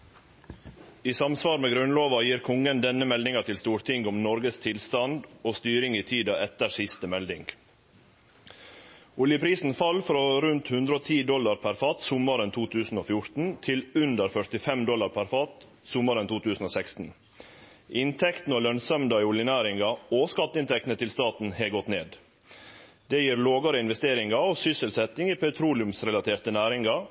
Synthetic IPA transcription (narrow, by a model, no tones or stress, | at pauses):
iːsɑmsʋɑːɾmeːɡɾʉnloːʋɑjiːɾkʰʊŋənd̪ɛnəmɛld̪ɪŋɑt̪ʰɪlst̪uːɾt̪ʰɪŋɡʊmnɔɾɡəst̪ʰɪlst̪ɑnd̪oːst̪yːɾɪŋiːt̪ʰiːd̪ɑʔɛt̪əʂɪst̪əmɛld̪ɪŋɡ | ʊljəpʰɾiːsn̩fɑlfɾoːɾʉnt̪hʉnd̪ɾəoːt̪ʰiːd̪ɔlɑɾpʰæɾfɑːt̪sʊməɾənt̪ʰuːt̪ʰʉːsn̩oːfjʊɾt̪n̩t̪ʰɪlʉnd̪əɾfœʈ̪ɪfɛmd̪ɔlːɑɾpʰæɾfɑːt̪ | sʊməɾənt̪uːt̪ʉːsn̩oːsɛkst̪n̩ | ʔɪnt̪ʰɛkt̪nəoːlœnsœmd̪ɑɪʊljənæːɾɪŋɑoːskɑt̪ːəɪnt̪ʰɛk̚t̪n̩ət̪ʰɪlst̪ɑːt̪n̩heːɡɔt̪neːd̪ | d̪ɛːjiːɾloːɡɑɾəɪnʋɛst̪eːɾɪŋɑoːsʏsəlsɛt̪ɪŋiːpʰæʉt̪ʰɾuːlɪʉmsɾɛlɑt̪ʰeːɾt̪ənæːɾɪŋɑ